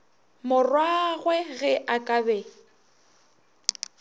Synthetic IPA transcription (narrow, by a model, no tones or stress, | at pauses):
mʊrwaɣwɛɣɛʔakʼabɛ